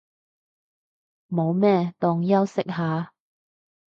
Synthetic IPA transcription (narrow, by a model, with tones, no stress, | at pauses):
mo˨˧wmɛː˥t̪ʊ˨˩ŋjɐ˥wsɪ˥k̚haː˨